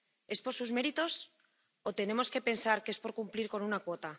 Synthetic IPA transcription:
e̞spo̞ɾsuzme̞ɾit̪o̞s | o̞t̪e̞ne̞mo̞ske̞pe̞nsaɾke̞spo̞ɾkumpliɾko̞nunakwo̞t̪a

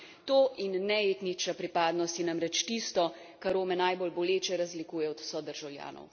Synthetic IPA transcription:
t̪oːʔinːɛeːt̪nit͡ʃapɾipaːd̪nɔst̪jɛnamɾɛt͡ʃt̪iːst̪ɔ | kaɾoːmɛnaːjbolbɔleːt͡ʃɛɾazlikuːjɛɔd̪w̥sɔd̪əɾʒawlja̰ːnɔ̰w

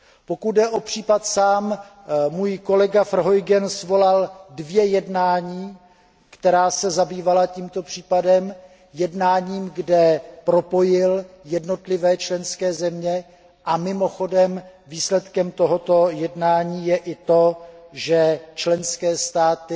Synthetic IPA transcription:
po̞kut̪dɛʔo̞pr̝̥iːpat̪saːm | muːjko̞lɛɡafr̩ɦo̞jɡɛnsvo̞laldvjɛjɛdnaːɲiː | kt̪ɛɾaːsɛzabiːvalaciːmt̪o̞pr̝̥iːpadɛm | jɛdnaːɲiːmɡdɛpɾo̞po̞jɪljɛdno̞t̪lɪvɛːt͡ʃlɛnskɛːzɛmɲɛ | ʔamɪmo̞xo̞dɛmviːslɛt̪kɛmt̪o̞ɦo̞t̪o̞jɛdnaːɲiːjɛʔɪt̪o̞ʒɛt͡ʃlɛnskɛːst̪aːt̪ɪ

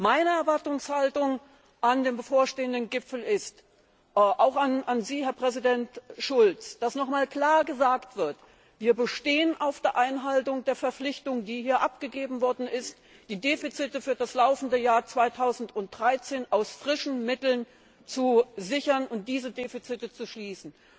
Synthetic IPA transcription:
maɪnəɛɐvaɐtʊŋshaltʊŋ | ʔandeːmbəfoːɐʃteːəndənɡɪpfl̩ɪst | ʔaʊxananziːhɛɐpʁ̥ɛzidɛntʃʊlt͡sd̥asnɔχmaːlkl̥aːɐɡəzaːktv̥ɪɐt | v̥iːɐbəʃteːənʔaʊfd̥eːɐʔaɪnɦaltʊŋdeːɐfɛɐflɪçtʊŋdiːhiːɐʔapɡ̥əɡeːbm̩vɔɐdn̩ɪst | d̥iːdeːfit͡sitəfyːɐdaslaʊfn̩dəjaːɐt͡sv̥aɪtʰaʊzn̩tʊnt̚d̥ʁaɪt͡seːnʔaʊsfʁ̥ɪʃn̩mɪtl̩n | t͡suzɪçɐnʊnt̚d̥iːzədeːfit͡sɪtət͡suʃliːsn̩

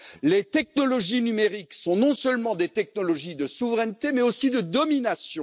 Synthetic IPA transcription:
let̪ɛk̚nɔlɔʒinymeʁiksɔ̃nɔ̃sœlmɑ̃d̪et̪ɛk̚nɔlɔʒid̪əsuvʁɛnt̪emɛosid̪əd̪ɔminasjɔ̃

